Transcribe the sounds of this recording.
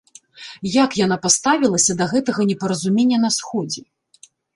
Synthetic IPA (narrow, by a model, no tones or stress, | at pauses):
jakjan̪apast̪avʲilˠɐsʲɐd̪ɐɣɛt̪ɐɣɐnʲɛpɐɾɐzumʲenʲːɐnɐsxɔd͡zʲɛ